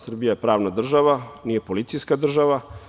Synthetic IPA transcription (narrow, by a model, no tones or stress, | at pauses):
sr̩bijajepɾaːʋnad̪r̩ʒaʋaniːje̞polit̪sijskad̪r̩ʒaʋa